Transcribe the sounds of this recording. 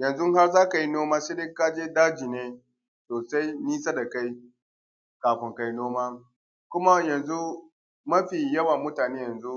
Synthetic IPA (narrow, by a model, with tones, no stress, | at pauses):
jɐ˨nzʊ˦ŋɦa˦rzaː˦ka˨ji˦noː˦maː˦ʃeː˦dɪ˦ka˦d͡ʒeː˦daː˦d͡ʒiː˨neː˦ | soː˨sa˦jniː˦sa˦da˨ka˦j | kaː˨ɸɪ˨ŋka˦jnoː˦maː˦ | kʷʊ˦ma˦jɐ˨nzu˦ | mɐ˦ɸiː˨jɐ˦wa˨mʊ˦taː˨neː˦jɐ˨nzu˦